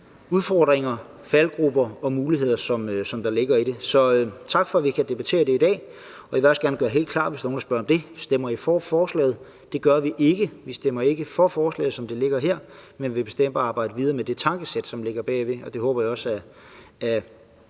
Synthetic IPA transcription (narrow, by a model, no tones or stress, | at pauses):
uðˠfɒːd̥ʁeŋɐ | fælɡ̥ʁub̥ɐɒ̽muːliɦe̝ð̞̰ˠɐsɒ̽møsɒ̽md̥ɑ̈le̝ɡ̥ɐiɾ̥e̝sɒ̽t͡sʰɑ̈ɡ̥fɒ̽æʋikʰæd̥e̝b̥æt͡sʰe̝̰ːɐd̥e̝id̥ɛ̰ː | ɒ̽jiʋeɒsɡ̥æɐnɡ̥ɶɐɦe̝̰ːl̥d̥̚kʰlɑ̰̈ːd̥ʋesd̥ɑnoːndɑsb̥ɶɐɒ̽md̥e̝sd̥emɐifɒːfɒːslɛ̰ːð̩ˠ | d̥e̝ɡ̥ɶɐʋiʔe̝ɡ̥əʋisd̥em̰ɐe̝ɡ̥əfɒ̽fɒːslɛ̰ːð̩ˠsɒ̽md̥e̝le̝ɡ̥ɐɦeɐ̰menʋe̝b̥e̝sd̥em̰b̥ɑ̈ːb̥ɑ̈ɪ̰d̥əʋið̞ˠɐːmed̥e̝t͡sʰɑ̈ŋɡ̥əsed̥sɒ̽mle̝ɡ̥ɐb̥ɛ̰ːʋe̝ɒ̽d̥e̝ɦɔ̽ːb̥ɐjɑ̈ɒ̽sæ | æ